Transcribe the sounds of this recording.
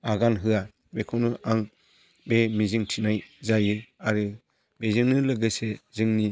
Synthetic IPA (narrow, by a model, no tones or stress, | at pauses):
aɡanɦɯa | bekʰɯnɯaŋ | bemiziŋtʰinajzajɯaɾɯ | bezɯŋnɯlɯɡɯsezɯŋni